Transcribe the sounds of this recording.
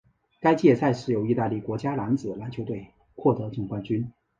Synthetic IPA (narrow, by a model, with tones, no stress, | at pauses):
ka˥ɪt͡ɕjɛ˥˧sa˥˧ɪʂɻ̩˥˩jo˧˥ʊi˥˧t̪a˥˧li˥˩kwɔ˧˥t͡ɕja˥la˧˥nt͡sɹ̩˨˩la˧˥nt͡ɕʰjo˧˥ʊt̪we˥˩ɪ | kʰwɔ˥˩t̪ɤ˧˥ʈ͡ʂɤ˥˩ŋkwa˥˧nt͡ɕy˥n